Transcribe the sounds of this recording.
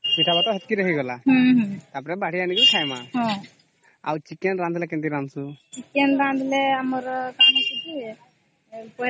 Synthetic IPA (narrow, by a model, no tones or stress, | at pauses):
miʈʰabat̪ɔɦɛt̪̚kiɾəɦiɡɔlaɦɦt̪apɔɾɛbaɽ̤ianiɡikʰajmaɦɔ̃ | awt͡ʃikɛnɾand̪lɛkɛnt̪iɾansut͡ʃikenɾand̪ʱlɛamɔɾkanakiti | pɔ